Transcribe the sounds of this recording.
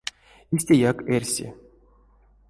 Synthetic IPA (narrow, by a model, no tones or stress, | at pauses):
isʲt̪ʲejakerʲsʲḭ